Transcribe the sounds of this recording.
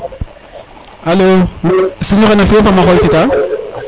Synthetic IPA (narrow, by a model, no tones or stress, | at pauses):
halomsiɲɔ̃kɛnafiẽfamaxɔitita